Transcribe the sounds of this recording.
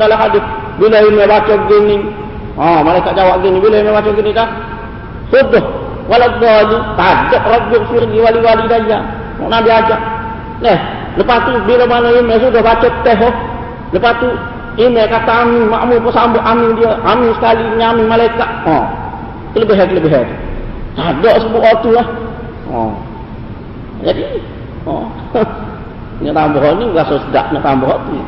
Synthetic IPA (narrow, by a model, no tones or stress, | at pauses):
dalakadi | bilojimebat͡ʃoɡenːi | omalajkːad͡ʒawaɡenːibilojimebat͡ʃoɡinika | sudo | walaɡ͡bolitad͡ʒɔʔɾok̚bikfiɾɡiwaliwalidajan | mṵnabiad͡ʒa | le | lupatubilomanoimesudobat͡ʃoteɦo | ləpast̪u | imɛkat̪aːmima̰ʔmupɔsamboʔamidiəʔamisə̥kaliɲamimalaikaʔɔ | k̪ələbeɦɛk̪ələbeɦɛt̪ut̪adɔʔsəbuʔɔt̪uah | ɔ̰̃ | d͡ʒadi | ɔ̰ | ɲəʔt̪amboɦɔnibəlasosəda̰ʔnəʔt̪ambɔɦɔt̪u